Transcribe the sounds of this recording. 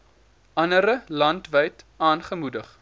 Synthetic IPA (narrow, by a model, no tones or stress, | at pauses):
ʔɐnəɾəlɐntvəjtɑːnχəmudəχ